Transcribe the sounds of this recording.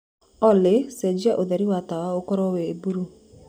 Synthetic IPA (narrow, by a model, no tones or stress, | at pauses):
ɔlesɛd͡ʒiaʔoðɛɾiwatawaokɔɾɔweːbuɾu